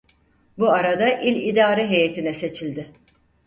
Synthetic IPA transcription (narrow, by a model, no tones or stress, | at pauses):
buaɾad̪aʔilʲid̪aːɾɛɦe̞jet̪ʰinɛse̞t͡ʃʰilʲd̪ɪ